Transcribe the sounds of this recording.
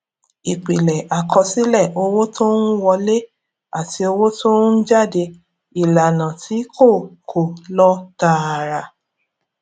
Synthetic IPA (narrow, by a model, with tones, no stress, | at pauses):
i˨k͡pi˨lɛ˨ʔa˨kɔ˧si˦lɛ˦˨ʔo˧wo˦tʰo˦n̩˦wɔ˧le˦ | a˦˨ti˧o˧wo˦to˦n̩˦d͡ʒa˦˨de˧ | i˨la˨nã˨ti˨˦kʰo˦˨kʰo˨lɔ˦ta˦˨ɾa˧